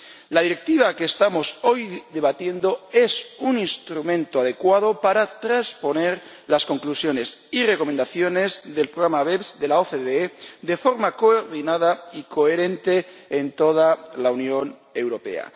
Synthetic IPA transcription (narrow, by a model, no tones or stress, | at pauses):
laðiɾe̞k̚t̪iβ̞akeːst̪amo̞so̞jðe̞β̞at̪je̞nd̪o̞e̞suninst̪ɾumẽ̞nt̪oað̞e̞kwað̞o̞paɾat̪ɾaspo̞ne̞ɾ | lasko̞ŋklusjo̞ne̞sire̞ko̞mend̪aθjo̞ne̞zðe̞lpɾoɣɾamaβeβsd̪e̞laoθeðeeðe̞fo̞ɾmako̞oɾðinaðaiko̞eɾe̞nt̪e̞ːnt̪o̞ð̞alaunjo̞n | e̞wɾo̞pe̞̰a̰